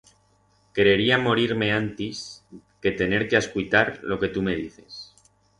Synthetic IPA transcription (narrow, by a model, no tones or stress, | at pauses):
keɾe̞ɾiamo̞ɾiɾme̞ãnt̪is | ke̞t̪e̞ne̞ɾkeaskujt̪aɾlo̞ke̞t̪ume̞ð̞iθe̞s